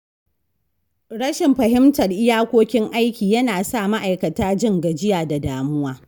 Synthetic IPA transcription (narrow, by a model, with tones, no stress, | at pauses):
ɽɐ˦ʃɪ˨mɸɐ˨ɦɪ˦mtɐ˨rʔɪ˦jaː˦kʷoː˦kʲɪ˦ŋʔa˦jkʲiː˨jɐ˦naː˨sa˦˨ma˦ʔa˨jkɐ˨taː˦d͡ʒɪ˦ŋɡɐ˨d͡ʒɪ˦jaː˨da˨daː˨mʊ˦waː˦